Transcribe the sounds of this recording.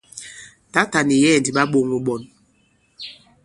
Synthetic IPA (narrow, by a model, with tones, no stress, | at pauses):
ta˦ta˨ni˨jɛ˦˨ndi˨ɓa˦ɓo˦˨ŋu˨ɓɔ˨n